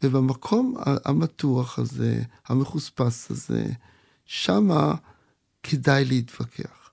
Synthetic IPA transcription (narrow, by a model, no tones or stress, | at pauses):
vebamakʰo̞ma̰a̰mat̪uaχazḛhameχuspasazḛ | ʃama | kʰedajleit̪v̥akʰḛaχ